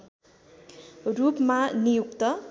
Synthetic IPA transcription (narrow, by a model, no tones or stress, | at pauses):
rupmanijukt̪ʌ